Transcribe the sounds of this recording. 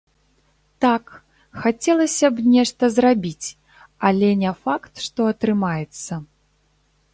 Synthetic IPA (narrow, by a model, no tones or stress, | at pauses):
t̪ak | xat͡sʲɛlˠɐsʲɐbnʲɛʂt̪ɐzrabʲit͡sʲ | ɐlʲɛnʲɛfakt̪ʂt̪ɔɐt̪ɾɨmajɛt̪sːɐ